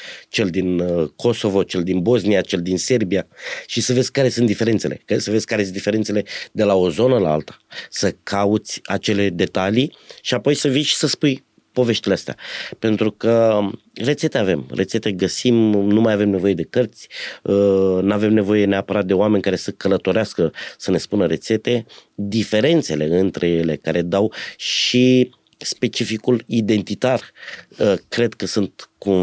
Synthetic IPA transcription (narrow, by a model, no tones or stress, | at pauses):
t͡ʃe̞ld̪inkʰo̞so̞vo̞t͡ʃe̞ld̪inbo̞znijat͡ʃe̞ld̪inse̞rbijaʃisəve̞zʲkaɾe̞suɨnt̪d̪ife̞ɾent̪se̞lʔe̞̰ksəvezʲkaɾe̞sɨnd̪ifeent̪seled̪e̞lao̞zo̞nəlaa̰lt̪ḁsəkʰaut̪sʲat͡ʃe̞le̞d̪e̞t̪aliʃiapo̞jsəvijʃi̥səspuj | po̞ve̞ʃt̪ileast̪ea̰pe̞nt̪ɾukə | ret̪se̞t̪eave̞̰mret̪se̞t̪e̞ɡəsimnumajave̞mne̞vo̞je̞d̪e̞kərt̪sʲənave̞mne̞vo̞je̞neapəɾat̪̚d̪eoame̞nʲkaɾe̞səkələt̪o̞ɾeaskəsəne̞spunəɾe̞t̪se̞t̪e̞d̪ife̞ɾe̞nt̪se̞le̞ɨnt̪ɾʔe̞je̞le̞kaɾe̞d̪awʃi | spe̞t͡ʃifikulid̪e̞nt̪it̪arəkɾe̞d̪kəsunt̪kun